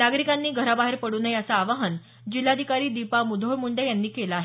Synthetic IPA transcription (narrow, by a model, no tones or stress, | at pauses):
naɡɾikanːiːɡʱəɾabaɦeɾpəɽuːnəjat͡saːʋaɦən | d͡ʑilːad̪ʱikaɾiːd̪ipamud̪ʱojmuɳɖəjanːiːkelaaːɦe